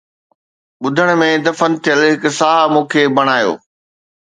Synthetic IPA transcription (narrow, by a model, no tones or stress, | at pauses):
ɓʊd̪ʱəɽ̃̆mẽd̪ɐfənt̪ʰijəlɦɪksaːɦmũːkʰeːbɐɽ̃aːjo̰ː